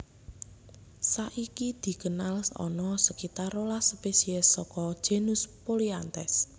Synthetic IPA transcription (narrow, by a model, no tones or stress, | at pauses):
saʔikid̪̥i̤kənalsɔ̰nɔsəkit̪aɾolaspesiɛsːɔkɔd̥ʒ̥e̤nuspoliant̪ɛs